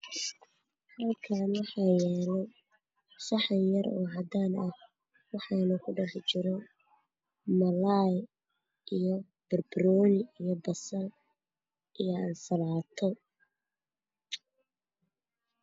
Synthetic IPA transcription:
hɐlkʰaːnwɑħɑːjɛːlɛj | sɑħɐnjɐɾɔ̰ːɦɐd̪aːnʔɐh | wɑħɑːnɐkʰʊɖɑħt͡ʃɪɾɔ | mɐlaj | ʔijɔ | b̥ɐrbrɔːlɪijɔbɐsɐl | ʔijɔɐnsɐlaːt̪ʰɔ

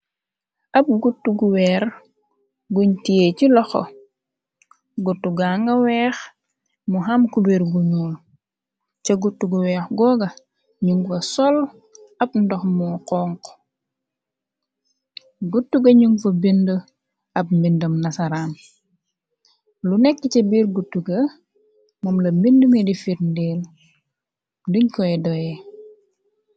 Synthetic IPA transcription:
ɐb̚ɡutːuɡuwɛːr | ɡuɲtijecilɔxo̰ | ɡutːuɡaŋɡɐwɛːx | muɦamkubeɾɡuɲul | t͡ʃeɡutːuɡuwɛːxɡɔːɡɐ | ɲuŋfɐsɔl | ɐbndɔxmuqɔːŋk | ɡutːuɡɐɲuŋfɐbində | ɐp̚mbindəmnɐsɐɾaːn | lunɛkːicɛbiːɾɡutːuɡɐ | mɔmlɐmbindumɛdifiɾndɛl | luɲkɔɛdɔjɛ

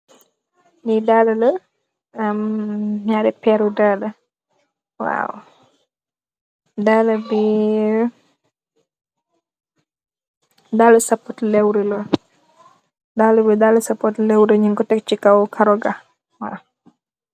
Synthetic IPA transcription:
nidalɐlə | ɐmɲaɾɛpɛɾudalɐ | wa̰w | daːlɐbi | daːləsɐpːɔtlɛwɾəlɔ | daːlɐbidaːlusɐpːɔtlɛwɾəɲiŋkɔtɛk̚t͡ʃikɐwkʰɐɾɔɡa | wa̰w

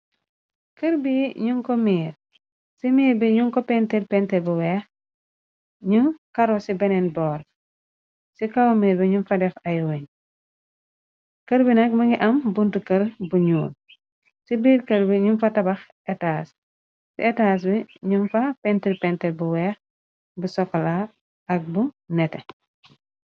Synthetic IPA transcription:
kɐɾbiɲuŋkɔmiːɾ | simiːɾbiɲuŋkɔpɛntilpɛntɛlbuwɛːx | ɲukɐɾɔsibɛnɛnbɔːɾ | sikawmiːɾbiɲunfɐdɛfɐjwɐɲ | kɐɾbinɐk̚mɐŋɡiʔɐmbuntukɐɾbuɲuːn | sibiːɾkɐlbiɲumfɐtɐbɐx | ɛtaːs | sḭetaːs̬biɲunfapɛntiɾpɛntɛlbuwɛx | busɔkːɔla | ɐk̚bunɛtɛ

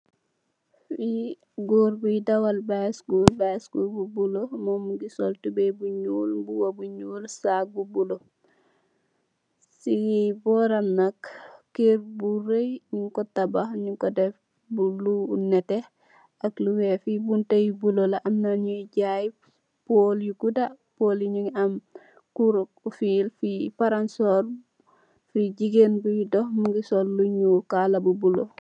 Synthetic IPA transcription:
fi | ɡoɾbudawalbaskulbaskububulomɔmuɡisɔltubɛbuɲuːlbuwabuɲuːlsak̚bubulo | siɡibɔɾamnakːiɾburejɲuŋkɔtabaɲuŋkɔdɛf | bulunɛtɛ | akluwefibuntajibulolaʔamnaɲuɟaji | poljukuda | poliɲuŋam | kuɾkufilfipaɾansoɾ | fiɟiɡenbujidɔhmuŋɡisɔlluɲukalabubulo̰

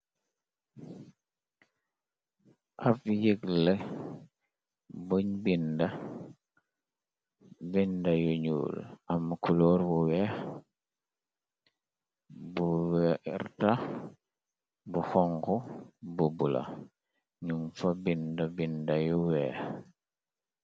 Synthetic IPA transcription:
ʔafjeɡlɛ | boɲbinda | bindajuɲṵːlamkuloɾbuwɛ | buwɛɾta | buxɔŋkububula̰ | ɲumfabindabindajuwɛːx

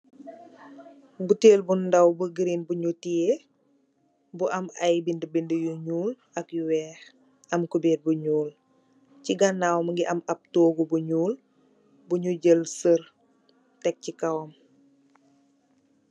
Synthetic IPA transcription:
buteːlbundɐwbəɡɾinbuɲutie | buʔɐmɐjbindəbindəjuɲuːl | ɐkjuwɛːx | ɐmkubeːt̚buɲuːl | ciɡɐnːawmɐŋɡiʔɐmɐp̚toːɡubuɲuːl | buɲuɟəlsər | tɛk̚cikɐwɔm

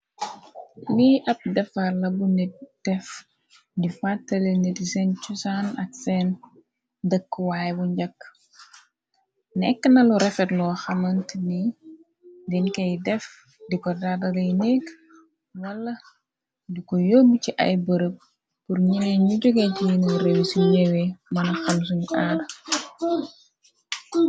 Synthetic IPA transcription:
liʔɐp̚dɛfaɾlɐbunid̥ɛf | difatːɐlenidisɛnt͡ʃusanɐksɛn | dəkːwaːjbuɲɟɐkː | nɛkːənɐluɾɛfɛtlɔxɐmɐntni | dinkɐjdɛf | dikɔdadɐlɐjnɛk | wɐlːɐ | dikɔjomiciʔɐ̰jbəɾəp̚ | purɲinɛɲuɟuɡɐtijinəɾewsuɲɛwɛmɐnɐxɐms̬uɲʔaɾ

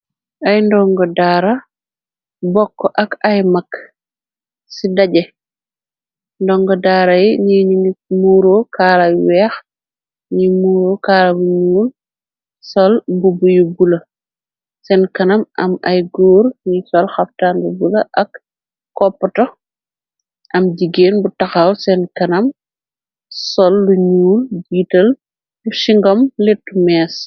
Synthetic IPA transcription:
ʔajndɔŋɡɔdaːɾɐ | bɔkːɔʔɐkɐjmakː | sidaɟɛ | ndɔŋɡɔdaːɾajiɲiɲiŋimuːɾokaːlajwɛːx | ɲimuːɾokaːlɐbuɲuːl | sɔlbubujubulɐ | sɛnkɐnɐmʔɐ̰mɐjɡoːrɲisɔlxɐftaːnbubulɐʔɐkː | ɔpːɐtɔ | ʔɐmɟiɡeːnbutɐxɐwsɛnkɐnɐm | sɔlːuɲuːlɡiːtɐl | uʃiŋɡɔmletːumɛːs

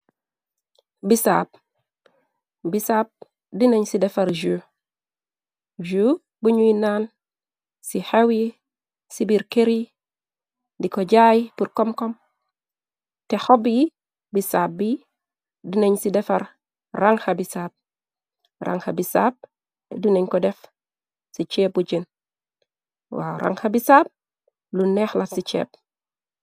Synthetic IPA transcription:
bisa̰ːp̚ | bisaːp̚ | dinaɲsidefaɾʒuː | ʒu | buɲuinaːn | sihewi | sibiɾkeɾi | dikoɟaːjpuɾkɔmkɔm | texɔbji | bisaːb̚bi | duneɲsidɛfaɾ | ɾaŋhabisaːb̚ | rʔa̰ŋhabisab̚ | duneɲkɔdef | sit͡ʃeːb̚uɟen | wa̰ɾʔa̰ŋxabisaːp̚ | luneːxlatsit͡ʃḛːp̚

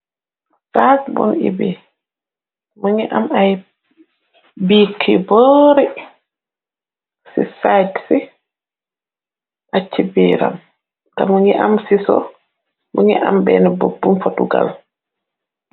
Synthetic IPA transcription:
fatbɔ̰nḭbi | muɲiʔamaj | biːkʰːibɔːɾɛ | sisajtsi | ʔat͡ʃːibiːɾa̰m | kamuɲiʔamsisɔ̰ | muɲiʔa̰mbɛnɛbobːumfotuɡa̰l

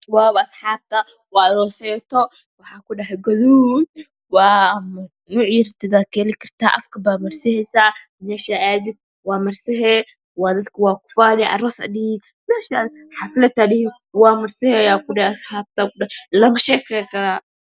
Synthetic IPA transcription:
waːβɐɐsħaːb̚t̪ɐwaːðɔːsɛjt̪ɔwɑħaːkʊɖɐɦɛɡɐðuːd̪ | waːm | nuːʕjɪɾt̪ɪd̪akʰɛlɪkʰɐrt̪ʰa̰ːʔɐfkʰɐbaːmɐrsɪhɛjsaː | mɛːʃaʔaːd̪ɪd̪̚ | waːmɐrsɪɦɛ | waːd̪ɐt̪kʰɐwaːkʊ̥faːnɛʔɐ̰ɾɔːsɐ̰ɗɪn | mɛːʃaː | ħaflɐt̪aɗɪ | waːmɐrsɪhɛjaːkʊɗɐɐsħaːb̚t̪akʊɗlɐmɐʃɛːkʰɛɛkɐɾa

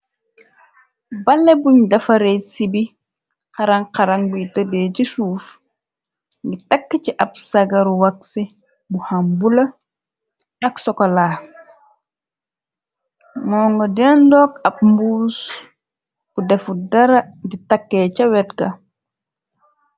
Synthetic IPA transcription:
bɐlːɛbuɲdɐfɐɾesibi | qɐɾɐŋqɐɾɐŋbujitədɛːcisuːf | ŋɡitɐkːəciʔɐp̚sɐɡɐɾuwɐksi | buhambulɐ | ɐksɔkɔlaː | mɔːŋɡɔdɛːndɔːkɐp̚mbuːs | b̥udɛfudɐɾɐditɐkːɛːcɐwɛtɡɐ

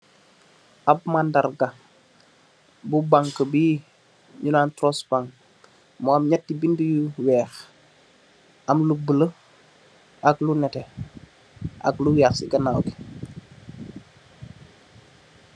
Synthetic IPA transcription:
ʔabmandaɾɡa | bubaŋkəbiː | ɲunaːntɾɔsbaŋ | mɔːmɲatːibindujuwɛːx | ʔamlubələ | ʔaklunɛtɛ | ʔa̰ɡlujaxsiɡɐnawɡi̥

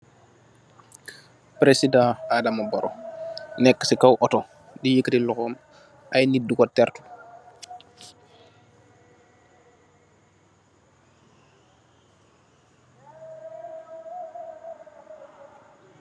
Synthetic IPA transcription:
pɾesidãadamɐbɔɾɔ̰nɛkːə̥sikɐwʔɔtɔ | dijəkːətilɔxɔːm | ʔɐjnidukɔtɛrtu̥

